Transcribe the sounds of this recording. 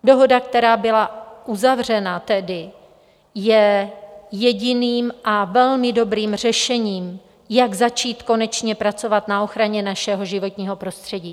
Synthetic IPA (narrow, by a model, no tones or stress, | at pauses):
do̞ɦo̞dakt̪ɛɾaːbɪlaʔuzavr̝ɛnat̪ɛdɪ | jɛ | jɛɟɪniːmʔavɛlmɪdo̞bɾiːmr̝ɛʃɛɲiːm | jaɡzat͡ʃiːt̪ko̞nɛt͡ʃɲɛpɾat͡so̞vat̪nao̞xɾaɲɛnaʃɛɦo̞ʒɪvo̞t̪ɲiːɦo̞pɾo̞st̪r̝̥ɛɟiː